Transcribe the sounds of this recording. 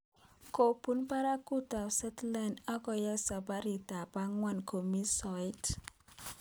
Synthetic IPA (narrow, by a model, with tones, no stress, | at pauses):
ko˨pu˨˦npa˦ɾa˦ku˦ta˨sɛ˦tla˨nda˦kɔ˨ja˦sa˨ba˦ɾi˨ta˨pa˦ŋwa˦˨nko˨mi˦sɔ˨ɪ˦t